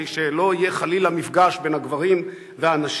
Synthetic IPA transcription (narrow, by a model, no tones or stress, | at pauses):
iʃelo̞ije̞χalilamifɡaʃbe̞nhaɡvaʁim | veaːnaʃ